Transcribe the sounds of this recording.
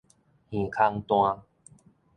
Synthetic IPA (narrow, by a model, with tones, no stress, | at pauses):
hĩ˨˩kʰa˧ŋt̪w̃ã˧